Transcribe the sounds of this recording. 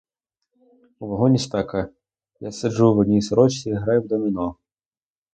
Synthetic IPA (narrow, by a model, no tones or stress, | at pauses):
uvɐɦɔnʲisʲt̪akɐ | jasʲaʐuvɐd̪ʲnʲisɾɔt͡ɕʲiɣɾajuwd̪ɐmʲinɔ